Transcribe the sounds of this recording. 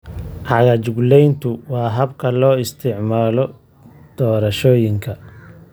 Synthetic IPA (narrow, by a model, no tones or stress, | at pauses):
ʕɑɣɐt͡ʃʊɡlɛjnt̪ʰʊwɑːɦɐbkʰɐlɔːɪst̪ʰɪʕmaːlɔ | d̪̥ɔːɾɐʃɔːjɪŋkʰɐ